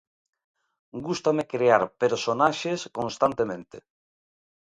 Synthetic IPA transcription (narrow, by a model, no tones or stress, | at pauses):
ɡust̪amekɾeaɾpeɾsonaʃeskonst̪ant̪emẽnt̪e